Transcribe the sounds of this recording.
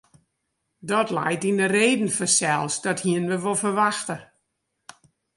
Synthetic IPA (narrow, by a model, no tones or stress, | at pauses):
dɔtlɛ̰jtindəreːdn̩fəsɛlˠsdɔthiənʋəʋolˠfərʋaxtə